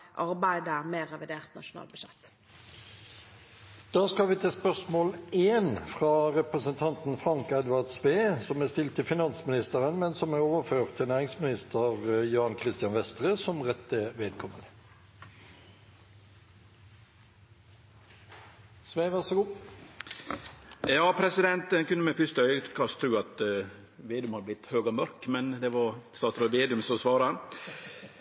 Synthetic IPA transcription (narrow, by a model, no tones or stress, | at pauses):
ʔɑɾbæɪd̪əæmeːʁɛʋɪd̪eːʁt̪nɑ̰ʃʊnɑ̰ːlbəɕɛt̪ː | d̪̥ɑːskɑlʋɪːt̪ʰeːspœʁsmoːleːnfʁɑʁɛpʁəsənt̪ʰɑnt̪n̩fʁɑŋkɛd̪ʋɑʁd̪sʋeːsɔmæːst̪ɪlt̪ʰːɪlfɪnɑnsmɪnɪst̪əʁənmɛnsɔmæʁoːʋəføːʁt̪ʰːɪnæːʁɪŋsmɪnɪst̪əʁjɑːnkʰʁɪst̪ɪjɑnʋɛst̪ʁəsɔmʁɛt̪əʋeːd̪̚kʰɔmənə | sʋeːʋæʁsəɡuː | jɑːpʰɾɛsɪd̪ɛnt̪ɛkʉnːəmɛfʏst̪əœʏkʰɑst̪ʰːɾʉːɑt̪ | ʋeːd̪ʉmhɑd̪əblɪt̪ːhøːɡəmœɾkmɛnd̪ɛʋɑɾst̪ɑːsɾɔʋeːd̪ʉmsɔsʋɑːɾɑ